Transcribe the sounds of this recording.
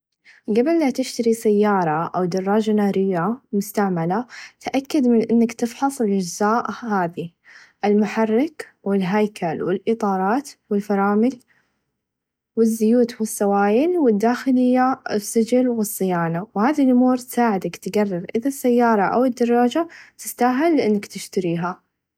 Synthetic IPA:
ɡabɪllat̪ɪʃt̪aɾisajːɑːɾˤɑʔawd̪ɑrˤːɑːd͡ʒanaːɾɪjːamʊst̪aʕmalat̪ʔakːad̪mɪnʔɪnːakt̪ɪfħɑsˤɪlʔad͡ʒzaːʔhaːði | ʔɪlmʊħɑrːɪk | wɪlɦajkʰalwɪlʔɨt̪ˤɑːɾˤɑːt̪wɪlfɑɾˤɑːmɪɡ | wɪzːʊjuːt̪wɪsːawaːjɪlwɪd̪ːaːxɪlɪjːaɪsːɪd͡ʒɪlwɨsˤːɪjaːnawhaːðilʔʊmuːɾˤt̪saːʕɪd̪akt̪ɡarˤːɪɾʔɪðasːajːɑːɾˤɑʔa̰wɪd̪ːɑrˤːɑːd͡ʒat̪ɪst̪aɦɪlːɪʔɪnːakt̪ɪʃt̪aɾiːɦa

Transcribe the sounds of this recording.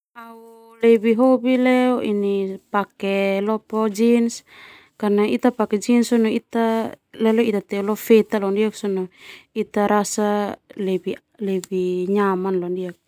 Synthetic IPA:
au | lɛbiɦobilɛɔʔinipakɛlɔpɔd͡ʒins | kanait̪apakɛd͡ʒinsɔnɔit̪a | lɛlɔit̪at̪ɛulɔfɛt̪alɔndiaksɔnɔit̪aɾasalɛbi | lɛbiɲamanlɔndiak̚

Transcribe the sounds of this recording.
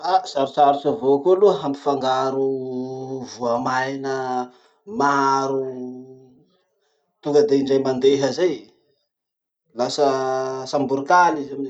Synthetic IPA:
asaɾust͡saɾusavokuluəɦampi̥faŋɡaɾu | vuamajnə | maɾu | t̪uŋɡəd̪eiɳɖ͡ʐajmand̪eɦəzaj | lasəsambuɾikalizami

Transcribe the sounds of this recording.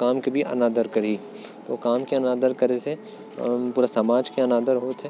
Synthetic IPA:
kaːmkebʱiʔɐ̰naːd̪əɾkɐɾi | t̪oːkaːmkeɐnaːd̪əɾkɐɾese | puːɾasamaːd͡ʒkeɐnaːd̪əɾɦoːt̪ɦɛ

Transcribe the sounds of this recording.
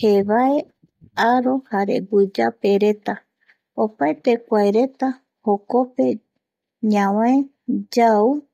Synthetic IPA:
heβae̞ | aɾo̞haɾḛɡud͡ʒape̞ɾe̞t̪a | opaet̪e̞kʷaeɾe̞t̪a | hoko̞pe̞ | ɲãwãe | d͡ʒau

